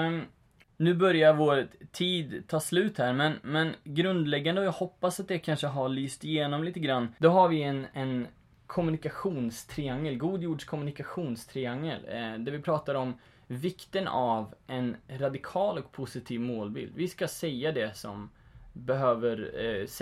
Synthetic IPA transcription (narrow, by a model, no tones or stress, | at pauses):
nʉ̟ːbœɾjavoːɾt̪ʰːiːd̪t̪ʰːɑːslʉ̟ːt̪hæːɾmɛnmɛnɡɾɵnd̪lɛɡːand̪əɔjaɡhɔpːasat̪̚d̪ɛkʰanʂəɦaɭyːst̪ɪjeːnɔmliːt̪əɡɾanːd̪ɔɦaɾvɪɛnɛn | kʰɔmɵnɪkaɧuːnst̪ʰɾɪaŋːəlɡuːd̪juːɖʂkʰɔmɵnɪkaɧuːnst̪ʰɾɪaŋːəld̪æɾvɪpʰɾɑːt̪aɾɔm | vɪkt̪ənavʔɛnɾad̪ɪkʰɑːlɔk̚pʰʊsɪt̪ʰiːvmoːlbɪ̰ld̪vɪskasɛjːad̪ɛsɔ̰mbɛɦøːvəɾs